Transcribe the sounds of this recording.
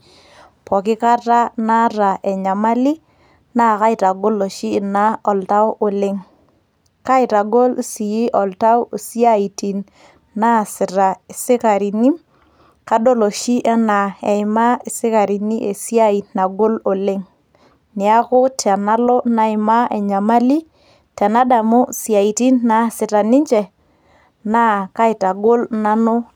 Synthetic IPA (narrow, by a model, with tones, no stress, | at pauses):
pɔ˨kɪ˦ka˦ta˦na˦ɾa˨ʔɛ˨ɲa˨ma˦li˦ | na˦˨ka˦ɪ˨ta˨ɡo˦lo˨ʃiː˦˨na˦ɔ˨lta˦wʔo˨lɪ˦ŋ | ka˦ɪ˨ta˨ɡo˦lsi˨ji˦ʔɔ˨lta˦wsi˦a˦i˨ti˨n | na˦˨sɪ˨ɾa˨ɪ˨sɪ˦ka˨ɾi˨ni˦ | ka˦do˦lo˨ʃi˦ʔɛ˦na˨ɛ˨ɪ˨ma˦i˨sɪ˦ka˨ɾi˨ni˦ʔe˨si˦a˦i˨tna˨ɡo˦lo˨le˦ŋ | nɪ˨a˦kʊ˦ta˨na˦lɔ˦na˨ɪ˨ma˦e˨ɲa˨ma˦li˦ | ta˨na˦da˨mo˦si˨a˨i˨ti˦nːa˨sɪ˨ta˨ni˦ɲd͡ʒɛ˨ | na˦ka˦ɪ˨ta˨ɡo˦lna˦no˦